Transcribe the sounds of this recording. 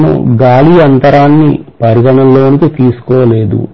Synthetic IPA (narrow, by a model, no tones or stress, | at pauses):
nṵɡaːliːɐnt̪ɐɾaːnːḭpɐɾiɡɐɳɐlːoːnikit̪iːsu̥kɔːʋɐle̞ːd̪ṵ